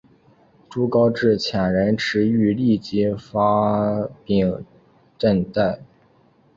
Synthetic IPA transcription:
ʈ͡ʂu˥kɑ˥ʊʈ͡ʂɻ̩˥˩t͡ɕʰjɑ˨˩ŋɻə˧˥nʈ͡ʂʰɻ̩˧˥y˧˥li˥˩t͡ɕi˥fa˥pi˥˩ŋ | ʈ͡ʂə˥˧nt̪a˥˩ɪ

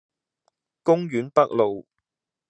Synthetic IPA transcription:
kʊ˥ŋjyː˨˥npɐ˥k̚lo˨w

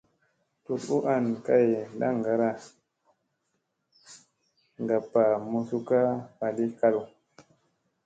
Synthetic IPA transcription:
tu˨tu˦ʔa˦nka˦je˨la̰˦ŋ˨ɡa˨ɾa˦ | ŋɡa˨pa˨mu˧su˦ka˦pa˨li˦ka˦lu˨

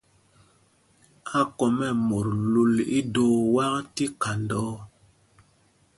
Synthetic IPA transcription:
a˦kɔ˨mɛ˦˨mo˨ɾlu˦lḭ˦doː˦wa˦kti˦ka˨ndɔ˦

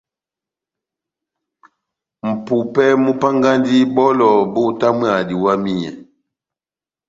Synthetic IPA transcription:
m̩˨pu˨pɛ˦mu˦pa˦ŋɡa˦ndi˦bɔ˦lɔ˨bo˦˨ta˦mwa˨di˨wa˦mi˦ɲɛ̰˨

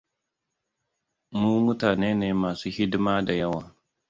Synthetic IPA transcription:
mu˦mu˦taː˨neː˦neː˨maː˨suː˦hi˦dma˦da˨ja˦wa˨

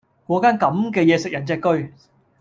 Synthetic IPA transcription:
kɔː˨˥kaː˥nkɐ˨˥mkɛː˧jɛː˨˧sɪ˨k̚jɐ˨˩nt͡sɛː˧kːɵ˧ɥ

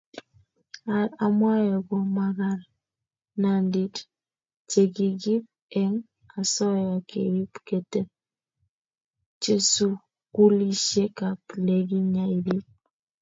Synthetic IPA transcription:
a˨ɾa˨mwa˦jɔ˨ɡwɔ˨ma˨ɣa˨ɾ | na˨ndi˨t | t͡ʃe˨ki˨ɡi˦p̚ | ɛ˦ŋ | a˨sɔ˦ja˨kḛ˨ɾi˦pke˨tɛ˦ | t͡ʃe˦su˦ | ku˦li˦ʃe˦ka˨ple˨ɡi˦ɲa˨i˨ɾi˦p̚

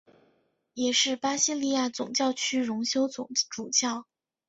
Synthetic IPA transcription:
jɛ˨˩ʂɻ̩˥˩pa˥ɕi˥li˥˧ja˥˩t͡sʊ̰˨˩ŋt͡ɕjɑ˥˧ʊt͡ɕʰy˥ɻʊ˧˥ŋɕjo˥ʊʊ˨˩ʈ͡ʂu˨˩t͡ɕjɑ˥˩ʊ

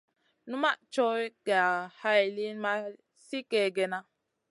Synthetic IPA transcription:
nu˦ma˦ʔt͡ʃo˦jɡa˨ha˦jli˦nma˦ | si˦ke˨ɡe˨na˦

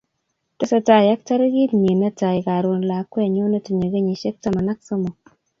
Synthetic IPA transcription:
te˦sa˨ta˨ja˦k̚ta˦ɾe˦ɡi˦tɲi˨na˦ta˨ɪ˨ka˨ɾwo˨nla˨˦kːwɛ˦˨ɲo˦ne˦ti˨ɲo˨ɡe˦ɲi˨ʃe˦k̚ta˦ma˨na˦k̚so˦mo˨

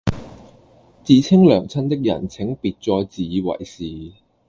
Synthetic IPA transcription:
t͡siː˨˧t͡sʰɪ˥ŋlœː˨˩ŋt͡sʰɐ˥nt̪ɪ˥k̚jɐ̰˨˩nt͡sʰɪ˨˥ŋpiː˨˧t̚t͡sɔː˧jt͡siː˨˧wɐ̰˨˩jsiː˨

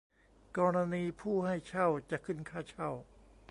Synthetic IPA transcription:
kɔː˧ɾa˧niː˧pʰuː˥˩ha˥˩jt͡ɕʰa˥˩wt͡ɕa˨˩ʔkʰɯ˧˥˩nkʰaː˥˩t͡ɕʰa˥˩w

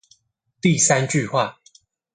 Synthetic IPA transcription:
t̪i˥˨sa˦nt͡ɕy˥˨xwa˥˩

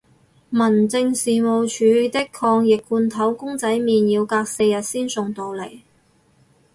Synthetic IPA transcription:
mɐ˨˩nt͡sɪ˧ŋsiː˨mo˨wt͡ʃʰyː˨˧t̪ɪ˥kʰɔː˧ŋjɪ˨kːuː˧nt̪ʰɐ˨˥wkʊ˥ŋt͡sɐ˨˥jmiː˨njiː˨˧wkaː˧k̚se˧jɐ˨t̚siː˥nsʊ˨ŋt̪o˨˧wle˨˩j

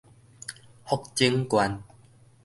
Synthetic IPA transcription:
hɔ˦˧k̚t͡ɕi˦ŋkwa˧n

